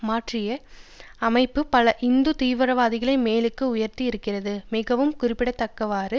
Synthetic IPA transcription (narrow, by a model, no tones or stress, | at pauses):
maːʈrɪjɐɐmɐɪpːɯpɐlɐʔɪnd̪ɯt̪iːʋɐɾɐʋaːðɪɣɐɭɐɪmeːlɯkːɯʊjɐɾt̪iɪɾɯkːɪrɐðɯmɪɣɐʋɯmkʊrɪpːɪɽɐt̪ːɐkːɐʋaːɾɯ